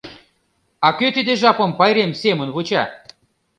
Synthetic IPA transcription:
ɑkøt̪id̪eʒɑpɤ̆mpɑjɾemsemə̆nβot͡ɕɑ̰

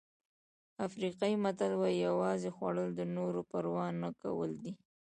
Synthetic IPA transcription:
afɾiqɑimat̪alwajjawɑzexwa̰ɽəld̪ənoɾopəɾwɑnːaka̰wə̰ld̪i

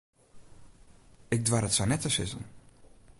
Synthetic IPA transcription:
ɪk̚dʋaːɾətsanɛtəsɪ̰zə̰n

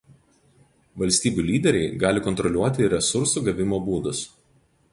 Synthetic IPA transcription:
ʋɐlʲsʲt̪ʲiːbʲuːlʲiːd̪ʲɛɾʲɛɪɡɑːlʲɪkɔnt̪ɾɔlʲuɔt̪ʲɪɾʲɛsʊɾsuːɡɐʋʲɪmoːbuːd̪ʊs

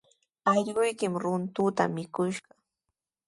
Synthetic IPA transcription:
ɑʎɢʊjkɪmɾʊnt̪ʊt̪a̰mɪkʊʃɢɑ

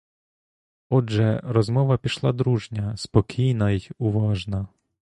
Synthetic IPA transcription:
ɔʒɛɾɔzmɔʋɐpʲiʃlˠɑd̪ɾuʒnʲɐspɔkʲʰijnɐjʊʋɑʒnɐ

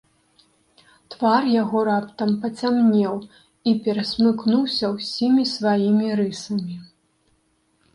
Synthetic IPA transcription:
t̪varjaɣɔɾapt̪ɐmpɐt͡sʲamnʲɛw | ipʲɛɾɐsʲmɨknuwsʲɐwsʲimʲisvajimʲiɾɨsɐmʲi

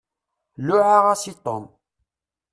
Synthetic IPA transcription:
lʊʕaʁasit̪ˤːo̰n

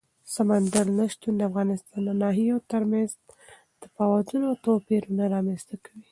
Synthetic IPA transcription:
samand̪aɾnaʃt̪und̪əafɣɑnɪst̪ɑnd̪ənɑɦijot̪əɾmanz | d̪̥əpɑwɑd̪unoat̪opeɾunaɾɑmənst̪akawi

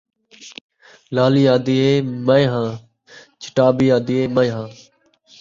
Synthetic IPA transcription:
laːliːaːd̪iːeːməẽɦãː | t͡ʃʰɪ̥ʈaːbiːaːd̪iːeːməj̃ɦãː

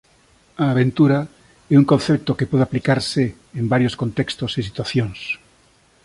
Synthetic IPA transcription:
aːβent̪uɾa | ɛuŋkõn̟θɛp̚t̪okepɔðeaplikaɾsɪː | mbaɾjoskont̪ɛkst̪osesit̪waθjoŋs

